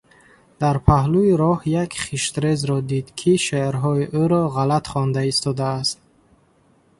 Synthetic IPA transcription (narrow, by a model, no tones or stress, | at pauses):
d̪̥aɾpʰahluiɾɔhjakχiʃt̪ɾezɾɔd̪id̪kʰiʃeɾɦɔiʔuɾɔʁalat̪χɔnd̪aist̪ʰɔd̪aːst̪̚